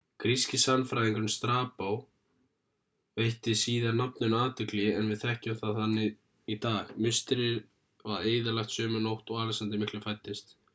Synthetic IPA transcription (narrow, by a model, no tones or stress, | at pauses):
kʰɾiscɪsanːfɾajðiŋkɾʏnst̪ɾaːpaw | vejht̪ɪsiːðaɾnapnʏnaːt̪ʏklɪjɪɛnvɪðθɛhcʏmθaðθanːɪ | it̪aːɣmʏst̪ɪɾɪɾ | vaðeːjðɪlaxt̪sœːmʏnowht̪ɔɣaːlɪsant̪ɪmɪhklɪfajt̪ːɪst̪